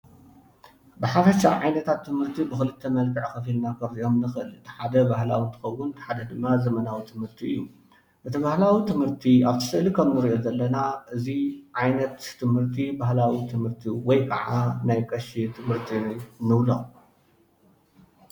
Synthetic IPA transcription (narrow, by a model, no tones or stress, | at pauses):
bɨħafɐʃaʕajnɐt̪ʰat̪ʰːɨmhɨɾt̪ʰibɨxɨlɨt̪ʰːɐmɐlkʰɨʕkɐfilnakʰɐβziʔo̞mnɨxɨɨlɨt̪ħad̪ɐbahlawint̪ʰɐ̥xɐwːʊnt̪ħad̪ɐd̪ɨmːazɐmɐnawit̪ʰɨmhɨɾt̪ʰiɨ̰jːu | ʔɨt̪ʰiβahlawit̪ʰɨmhɨɾt̪ʰiaβt̪ʰɨ̥sɨlikʰɐmnɨɾiʔo̞zɐlːɐnaʔɨziʕajnɐt̪ʰːɨmhɨɾt̪ʰibaɦlawit̪ʰɨmhɨɾt̪ʰiwɔjkʼɐ̰ʕanajkʼɐʃit̪ʰɨmhɨɾt̪ʰinɨβlo̰